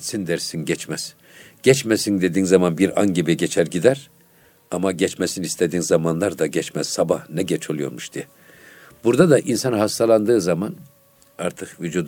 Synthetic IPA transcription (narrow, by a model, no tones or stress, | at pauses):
sind̪ɛɾsinɟɛt͡ʃmæz̥ | ɟ̥ɛt͡ʃmɛsind̪e̞d̪iːnzamanbiɾa̰nɟibiɟɛt͡ʃʰæɾɟid̪æɾ | amaɟɛt͡ʃmɛsinist̪ʰed̪iːnzamanlˠaɾd̪aɟɛt͡ʃmæz̥sabahnɛɟɛt͡ʃʰo̞lˠujo̞ɾmuʃd̪iɛ | buɾd̪ad̪aʔinsanɦast̪ʰalˠand̪ɯːzaman | aɾt̪ʰɯkvyd͡ʒuːd̪